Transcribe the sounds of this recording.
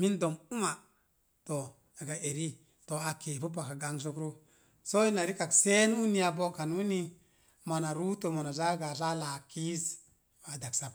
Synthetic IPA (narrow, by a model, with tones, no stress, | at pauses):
mi˦ndo˨mu˦ma˨ | to˨ | a˨ɡa˨ʔe˨ɾi˦ | to˨a˨ke˨pu˦ba˨ka˨ɡa˦ŋs̬o˦kɾo˦ | so˦i˦na˨ɾi˦ka˨kse˦n˦wu˦ni˦a˨bo˦ka˨nu˦ni˦ | ma˨na˨ɾu˦to˨ma˨na˨za˦ɡa˨za˦la˨ki˦s | a˨da˨ksa˨p